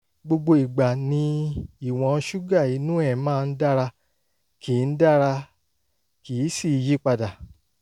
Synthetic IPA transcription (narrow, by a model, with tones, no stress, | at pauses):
ɡ͡bo˧ɡ͡bo˧i˨ɡ͡ba˨nĩ˧i˦˨w̃ɔ̃˨˧˦ʃu˦ɡa˦˨i˨˦nũ˦ɛ˦˨mãː˦˧n̩˦da˦ɾa˧ | kʰiː˨˦n̩˦da˦˨ɾa˧ | ki˨˦si˦˨˧ji˦k͡pa˧da˨